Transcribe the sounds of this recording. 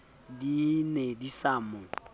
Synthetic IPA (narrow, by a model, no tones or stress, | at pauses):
dinedisamʊ